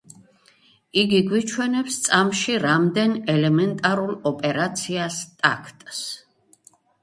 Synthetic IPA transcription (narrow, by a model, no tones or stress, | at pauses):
iɡiɡwit͡ʃʰwɛnɛpst̪sʼamʃiɾamd̪ɛnɛlɛmɛnt̪ʼaɾulˠɔpʼɛɾat̪sʰiast̪ʼa̰kʰt̪ʼs